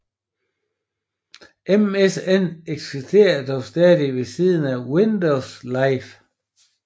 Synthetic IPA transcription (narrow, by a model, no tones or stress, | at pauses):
ʔemeseneɡ̥sisd̥ʰe̝̰ːɐd̥ɒʊsd̥ɛːðˠiʋe̝sið̞ˠn̩æwind̥oʊslɑ̈ɪf